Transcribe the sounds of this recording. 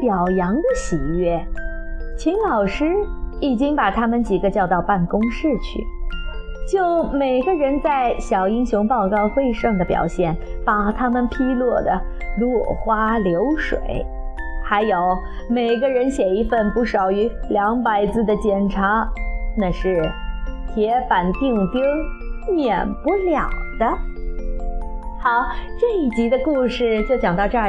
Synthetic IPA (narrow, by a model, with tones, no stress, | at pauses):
pjɑ˨˩ʊjɑ˧˥ŋd̪ə˧ɕi˨˩ɥɛ˥˩ | t͡ɕʰi˧˥ŋlɑ˨˩ʊʂɻ̩˥i˨˩t͡ɕi˥ŋpa˨˩t̪ʰa˥mə˨nt͡ɕi˨˩ɡə˦t͡ɕjɑ˥˧ʊt̪ɑ˥˧ʊpa˥˩nkʊ˥ŋʂɻ̩˥˧t͡ɕʰy̰˥˩ | t͡ɕjo˥˩ʊme˨˩ɪɡə˧ɻə˧˥nt͡sa˥˩ɪɕjɑ˨˩ʊi˥ŋɕʊ˧˥ŋpɑ˥˧ʊkɑ˥˧ʊxwe˥˧ɪʂɤ˥˩ŋd̪ə˩pjɑ̰˨˩ʊɕjɛ˥˩npa˨˩t̪ʰa˥mə˨npʰi˥lwɔ˥˩d̪ə̰˩lwɔ˥˩xwa˥ljo˧˥ʊʂwḛ˨˩˦ɪ | xa˧˥ɪjo˧˥ʊ | me˨˩ɪɡə˧ɻə˧˥nɕjɛ˨˩i˧˥fə˥˧npu˥˩ʂɑ˨˩ʊy˧˥ljɑ˧˥ŋpa˧˥ɪt͡sɹ̩˥˩d̪ə˨t͡ɕjɛ˨˩nʈ͡ʂʰa˧˥na˥˧ʂɻ̩˥˩t̪ʰjɛ˧˥fa˨˩nt̪i˥˩ŋt̪jɛ˥mjɛ˨˩npu˥˧ljɑ̰˨˩ŋd̪̥ə˦ | xɑ˧˥˦ʊʈ͡ʂɤ˥˧i˥˩t͡ɕi˧˥d̪ə˧ku˥˧ʂɻ̩˥˩t͡ɕjo˥˩ʊt͡ɕjɑ˨˩ŋt̪ɑ˥˧ʈ͡ʂɤ˥˧˥